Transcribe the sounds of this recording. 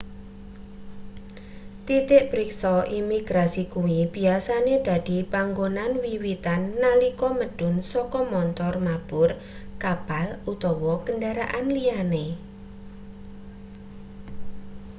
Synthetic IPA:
t̪it̪ɪʔb̥ɾiksɔʔimiɡ̥ɾasikuwib̥i̤asaned̪̥a̤d̪̥i̤paŋɡonanwiwit̪anːalikɔməɖ̥ʊ̤nsɔkɔmɔnt̪ɔrmab̥ʊr | kapalut̪ɔwɔkəndaɾa̰ʔanliane

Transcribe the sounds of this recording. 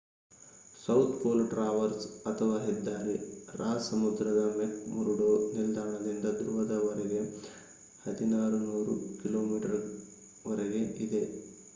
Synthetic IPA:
sɐwt̪ʰpoːlʈɾaːʋɐɾsɐt̪ʰɐʋaːɦid̪ːaːɾiɾʔaːsɐmud̪ɾɐd̪ɐmekmuɾuɽoːnild̪aːɳɐd̪ind̪ɐd̪ɾuʋɐd̪ɐʋɐɾɛɡe̞ | hɐd̪inaːɾunuːɾṵkiloːmiːʈɐɾ | ʋɐɾeɡe̞ʔid̪e̞

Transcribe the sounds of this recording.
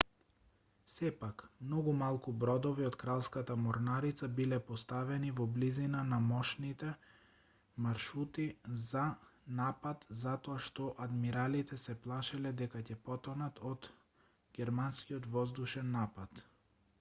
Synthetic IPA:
sɛpakmnɔɡumalˠkubɾɔd̪ɔviɔt̪kɾalˠskat̪amɔɾnaɾit̪sabilɛpɔst̪avɛnivɔblizinanamɔʃnit̪ɛ | maɾʃut̪izanapat̪zat̪ɔaʃt̪ɔʔad̪miɾalit̪ɛsɛplˠaʃɛlɛd̪ɛkacɛpɔt̪ɔnat̪ʰɔd̪ | ɡʲɛɾmanskiɔt̪vɔzd̪uʃɛnːapat̪

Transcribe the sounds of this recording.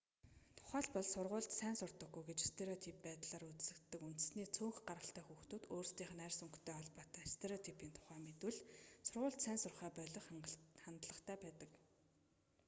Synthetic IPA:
t̪ʰʊ̥χæːɮpɔɮsʊrʁʊːɮt̪sæːnsʊr̥t̪ɞ̆ɡːujɡet͡ɕst̪ʰeɾɔt̪ʰipːæːt̪ɮaːɾut͡ssɘ̆kt̪ːɘ̆kun̥t̪ɘ̆sniːt͡sʰoːŋxɢaɾə̆ɬt̪æːxuːxt̪uːt̪oːrst̪iːχ̆nærʲsɵŋkt̪ʰeːɔɮpaːt̪æːst̪ʰeɾoɔt̪ʰipiːnt̪ʰʊ̥χæːmet̪wɘ̆ɮsʊrʁʊːɮt̪sæːnsʊrχæːpœɮʲɞ̆χχant̪ɮə̆χt̪ʰæːpæːt̪ə̆k

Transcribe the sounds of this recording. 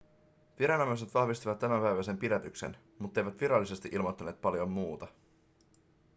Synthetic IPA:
ʋiɾɑnɑmɑs̬e̞t̪ʋɑhʋist̪iʋɑt̪ːæmæmpæjʋæse̞mpidæt̪yksḛn | mut̪ːejʋæt̪ʋiɾɑlːise̞st̪iʔilmo̞t̪ːɑne̞ːt̪̚pɑljo̞mːuːt̪ɑ

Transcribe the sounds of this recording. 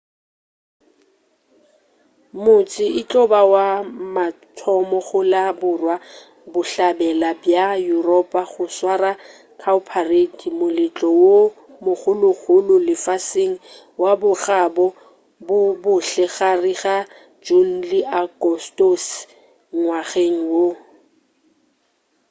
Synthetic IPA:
mʊt͡sʼɪɪt͡ɬʼɔbawama | tʰɔmɔχʊlabʊrwa | bʊɬabɛlabjajurɔpʼaχʊswara | kʰaʊpʰaretʰimʊlɪt͡ɬʼɔwo | mʊχʊlʊχʰʊlʊlɪfaseŋ̩ | wabʊχabɔ | bʊbʊɬɛχariɣa | d͡ʒun̩lɪʔakʼɔstos | ŋwaχeŋ̩wo

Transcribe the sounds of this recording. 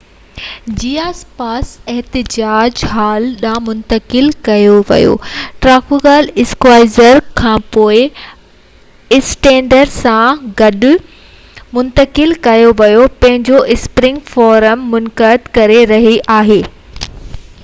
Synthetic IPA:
d͡ʑiːaːspaːsɛɦt̪ɪd͡ʑaːd͡ʑɦaːlɗãːmʊ̃nt̪əkɪlkɐjoʋɐ̰jo̰ːʈɾaːkuɡaːlɪskwaːɪzəɾkʰãːpoːɪ | ɪsʈɛ̃ːɳɖəɾsãɡɐɗʊ | mʊ̃nt̪əkɪlkɐjoʋɐjopɐ̃ɦɪ̃ɲd͡ʑoʔɪspɾɪ̃ŋɡfɔːɾəmːʊnkəd̪kɐɾeɾɐɦiʔaːɦeː

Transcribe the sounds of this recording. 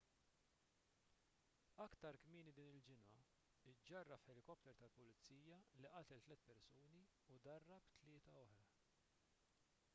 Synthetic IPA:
ɐkt̪ɐɾkmiːnid̪iːnɪld͡ʒɪnɐ | ɪd͡ʒːɐrːɐfħɛlɪkɔpt̪ɛɾt̪ɐlpʊlɪt͡sːiːjɐliʔɐt̪ɛlt̪lɛt̪pɛɾsuːniud̪ɐrːɐpt̪lɪːt̪ɐɔħɾɐ

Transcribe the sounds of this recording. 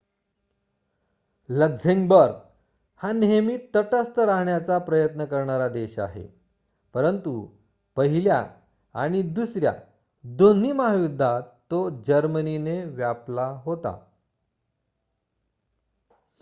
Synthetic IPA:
ləɡzeŋɡbəɾɡ | hanemiːt̪ːəʈəst̪əɾaɦɳjat͡sapɾəjət̪nəkəɾɳaɾad̪eɕa̰ɦḛ | pəɾənt̪u | pəɦilja̰ | a̰ɽ̃id̪usɾja̰ | d̪on̤iːməɦajud̪ʱːat̪ːod͡ʑəɾmənineʋjaplaɦot̪a̰

